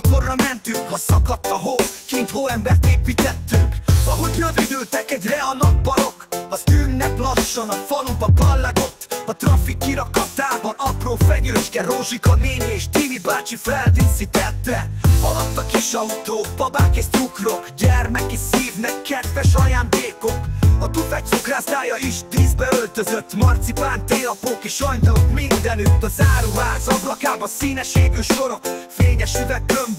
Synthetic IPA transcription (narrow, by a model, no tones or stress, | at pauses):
korːɒmɛnt̪yŋkhɒsɒkɒt̪ːɒɦoːkent̪hoːɛmbɛrt̪eːpiːt̪ɛt̪ːyŋkɒɦoɟnød̪yd̪øːlt̪ɛkɛɟrɛɒnɒpbɒɾo̞kɒzyːnːɛklɒʃːonɒkfɒlubɒkɒlːaɡo̞t̪ːɒt̪rɒfikːiɾɒkɒt̪aːbɒnɒproːfɛɲøːʃkɛɾoʒikɒneːneːʃd̪ivid̪baːt͡ʃifɛlt̪isit̪ɛt̪ːɛɒlɒt̪ːɒkiʃɒut̪oːkpɒbaːkest̪ukro̞kɟɛrmɛkisiːvnɛkʰːɛd̪vɛʃɒjaːnd̪eːkokɒt̪ufɛc̪̚sukraːsaːjɒiʃd̪izbɛølt̪øzøt̪ːmɒrt̪sipaːnt̪eːɒpoːkeːʃɒjt̪ɒlokmind̪ɛnyt̪ːɒzaːɾuːɦaːzɒblɒkaːbɒsiːnɛʃeːɡyːʃo̞ɾɒfeːɲɛʃyvɛkːøn